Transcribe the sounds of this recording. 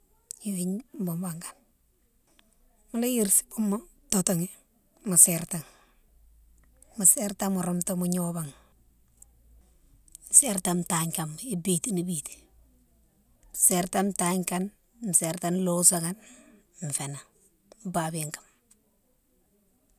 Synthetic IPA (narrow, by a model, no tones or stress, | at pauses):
iwiɲmbombaŋkḁn | mulajiɾsi̥umːa | totoŋi | maseɾtaŋ | maseɾtamuɾomtomuɲobaŋ | seɾtamtaɲkamibitinibiti̥ | seɾtamtaɲkan | mseɾtanlosaŋan | mfena | mbabiŋkḁm